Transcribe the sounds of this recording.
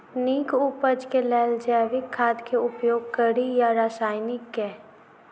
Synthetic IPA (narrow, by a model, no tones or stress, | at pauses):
niːkupəd͡ʒkelɛːld͡ʒɛːʋɪkʰːaːd̪kʰeʊpjoːɡ̚kəɾijaɾasaːɪnɪkːɛː